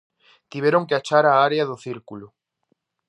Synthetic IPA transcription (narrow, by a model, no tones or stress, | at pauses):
t̪iβjeɾoŋkeat͡ʃaɾaaɾjaðuθiɾkulu